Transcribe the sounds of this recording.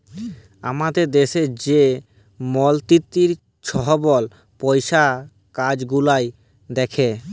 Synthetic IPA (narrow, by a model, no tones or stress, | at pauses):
a̰mad̪eɾd̪eʃeɾd͡ʑe | mɔlt̪it̪ːiɾ | ʃʰɔɦobɔl | pɔjʃa | kad͡ʑɡulaj | d̪ɛkʰe